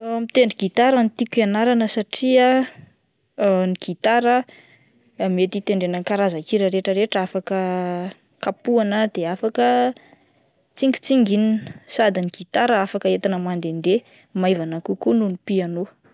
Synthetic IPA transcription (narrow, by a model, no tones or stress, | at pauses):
mit̪eɳɖ͡ʐiɡ̥it̪aɾənit̪ikianaɾanəsaʈ͡ʂia | niɡ̥it̪aɾə | met̪it̪eɳɖ͡ʐenəkaɾazakiɾəɾeʈ͡ʂəɾeʈ͡ʂafakə | kapuanəd̪̥eafakə | t͡siŋɡi̥t͡siŋɡininsad̪iniɡ̥it̪aɾəafakəet̪anəmand̪end̪e | majvanakukununipianu